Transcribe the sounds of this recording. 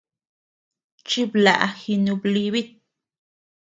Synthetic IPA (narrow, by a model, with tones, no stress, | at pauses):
t͡ʃi˦bla̰˨ʔxi˧nu˧bli˧bi˦t̪̚